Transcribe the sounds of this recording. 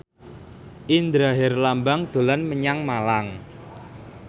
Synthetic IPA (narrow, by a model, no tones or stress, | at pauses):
ʔind̪ɾaɦɪrlambaŋd̪̥o̤lanməɲaŋmalaŋ